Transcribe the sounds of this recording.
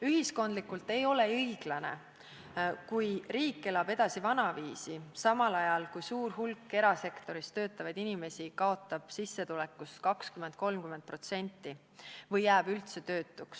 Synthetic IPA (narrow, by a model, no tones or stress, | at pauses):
yɦisko̞nd̪likːˑult̪e̞jo̞le̞ɤjɡ̥lɑne̞̰ | kujriːkːe̞lɑb̥e̞d̪̥ɑsivɑnɑviːsisɑmɑlɑjɑlkujsuːɾɦulkːe̞ɾɑse̞kt̪o̞ɾist̪ø̞ːt̪ːˑɑvɑjd̪̥inime̞sikɑo̞t̪ˑːɑb̥sisːe̞t̪ule̞kːˑuskɑkskyment̪̚ko̞lmkyme̞nt̪̚pro̞t̪se̞nʲt̪ˑːi | vɤjːæːb̥ylt̪se̞t̪ø̞ːt̪ːˑuks